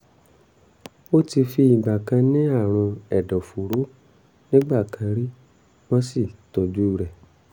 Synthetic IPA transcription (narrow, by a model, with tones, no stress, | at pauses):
o˦ti˧fi˧i˨ɡ͡ba˨kã˧nĩ˦a˦˨ɾ̃ũ˧ɛ˨dɔ˨fu˨ɾo˨˦ | nĩ˦ɡ͡ba˦˨kã˧ɾi˦ | wɔ̃˦si˦˨tɔ˨d͡ʒu˦˨ɾɛ˨